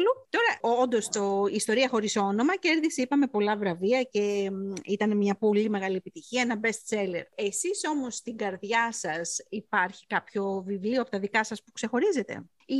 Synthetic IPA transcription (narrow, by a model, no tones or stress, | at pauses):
lut̪o̞ɾɐond̪o̞st̪oist̪o̞ɾiɐxo̞ɾisono̞mɐceɾðiseipɐme̞po̞lɐvɾɐviɐce̞it̪ɐne̞mɲɐpo̞lime̞ɣɐliepit̪içiɐenɐbe̞st̪se̞lḛɾe̞siso̞mo̞st̪iŋɡɐɾðʝɐsɐsipɐɾçi̥kɐpço̞vivlioɐpo̞t̪ɐðikɐsɐspu̥kse̞xo̞ɾize̞t̪e̞̰ | i